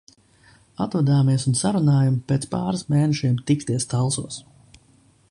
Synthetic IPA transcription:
at̪ɾad̪aːmiɛsunsaɾunaːjampeːt̪spaːɾasmeːnɛʃiɛmt̪ikt̪iɛst̪alˠsuɔs

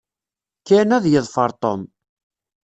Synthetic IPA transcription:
kːænæðjəðˤfəɾˤt̪ˤom

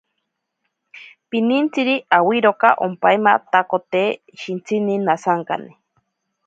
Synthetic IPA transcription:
pinint͡siɾiʔawiɾokaʔo̰mpaemat̪akot̪eː | ʃint͡sʰininasaŋka̰ni

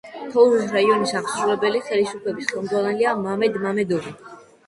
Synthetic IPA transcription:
t̪ʰɔuɾusɾaiɔnisaχsɾuvɛbɛliχɛlisupʰlɛbisχɛlˠmd̪ʁwanɛliamamɛd̪mamɛd̪ɔɾi

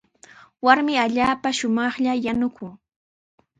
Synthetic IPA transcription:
waɾmɪaʎaːpaʃʊmɑχʎajanʊkʰʊŋ

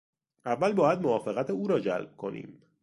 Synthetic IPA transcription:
ʔævːælbɒːjæd̪̚movɒːfeɣæt̪ʰeuːɾɒːd͡ʒæ̰lb̥̚kʰo̞̰nʔḭːm

